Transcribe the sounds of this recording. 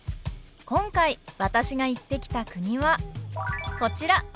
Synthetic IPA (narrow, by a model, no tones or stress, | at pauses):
kõ̞ŋkaiβat̪aɕiɡait̪ːe̞kʲi̥t̪akɯ̟ɲ̟iβa | ko̞t͡ɕiɾa